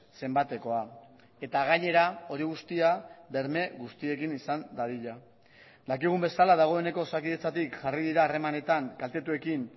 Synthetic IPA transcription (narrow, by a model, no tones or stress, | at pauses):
se̞mbat̪e̞ko̞a | e̞t̪aɣ̞aɲe̞ɾao̞ɾiɣ̞ust̪iaβe̞ɾme̞ɣust̪ie̞kinisand̪aðiʎa | d̪akiɣ̞umbe̞salað̞aɣ̞o̞e̞ne̞ko̞sakiðe̞t͡sat̪ikʝariðiɾaːre̞mane̞t̪aŋkalt̪e̞t̪ue̞kin